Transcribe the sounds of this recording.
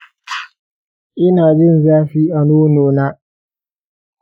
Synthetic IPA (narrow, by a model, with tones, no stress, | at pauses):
ʔɪ˦naː˨bɪ˦˨nzaː˦ɸiː˦ʔa˨noː˦noː˨na˦